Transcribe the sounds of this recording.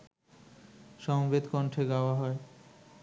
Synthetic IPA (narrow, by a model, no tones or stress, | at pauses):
ʃɔmbed̪kɔɳʈʰeɡaoaɦɔe